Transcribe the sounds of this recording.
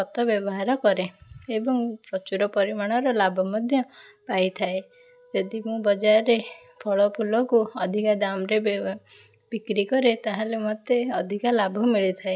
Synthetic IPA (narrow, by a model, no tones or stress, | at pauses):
ɔt̪ɔbjɔbɔɦaɾɔkɔɾeebɔŋpɾɔt͡ʃuɾɔpɔɾimaɽ̃ɔɾɔlabʱɔmɔd̪ʱjɔpajt̪ʰae | d͡ʒɔd̪imũbɔd͡ʒaɾe | pʰɔɭɔpʰulɔkuɔd̪ʱikad̪amɾe | b̥ikɾikɔɾet̪aɦalemɔt̪eɔd̪ʱikalabʱɔmiɭit̪ʰae